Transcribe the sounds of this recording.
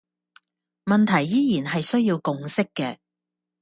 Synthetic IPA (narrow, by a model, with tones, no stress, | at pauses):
mɐ˨nt̪ʰɐ˨˩jːiː˥jiː˨˩nɦɐ˨jsɵ˥ɥjiː˧wkʊ˨ŋsɪ˥kːɛː˧